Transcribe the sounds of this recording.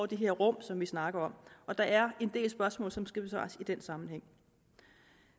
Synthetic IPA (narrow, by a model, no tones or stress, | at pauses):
ʊd̥e̝ɦe̝ɐ̰ʁɔ̽m̰sɒ̽mʋisnɑ̈ɡ̥ɐɒ̽mʔɒ̽d̥ɑ̈ʔæɐe̝nd̥e̝̰ːlsb̥ɶɐsmɔ̰̽ːlsɒ̽msɡ̥æb̥esɑ̰̈ːsid̥ensɑ̈mn̩heŋ̰